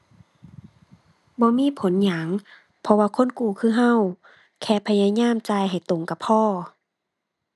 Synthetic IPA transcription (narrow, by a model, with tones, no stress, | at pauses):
bɔː˧˦miː˧˥˨pʰo˨˦nɲa˨˦ŋ | pʰɔ˧waː˧kʰo˧˥˨nkuː˧˩kʰɯː˧˥˩ɦa˧˥˨w | kʰɛː˧˩pʰa˧jaː˧˨ɲaː˧˥˨mt͡ɕaː˧˩˨jɦa˨˩jt̪o˨˩ŋka˧˩pʰɔː˧˩˨